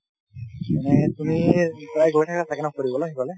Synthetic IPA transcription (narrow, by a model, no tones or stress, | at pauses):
manɛtumitɹajɡɔjtʰakasʰakɛnakoɹibɔlakibʰalɛ